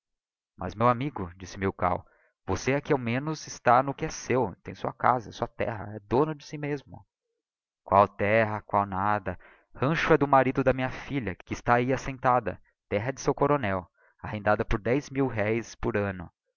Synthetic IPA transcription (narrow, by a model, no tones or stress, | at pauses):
mʔɐ̰zmewamiɡʊd͡ʒisɪmewka̰w | voseakiawmẽnʊzɪst̪anʊkɪɛsewt̪ẽj̃suɐka̰zɐɛsuɐt̪ɛ̰ɦɐ̰ɛd̪õnʊd͡ʒɪsimezmʊ̰ | kwawt̪ɛɦɐkwawnad̪ɐ | hɐ̃ʃʊɛd̪ʊmaɾid̪ʊd̪ɐmĩɲɐfiʎɐkɪːst̪aːiasẽnt̪ad̪ɐ̰ | t̪ɛɦɐɛd͡ʒɪsewkoɾonɛw | ahẽnd̪ad̪ɐpʊɾd̪ɛjzmiwɦɛjspʊɾɐ̃nʊ̰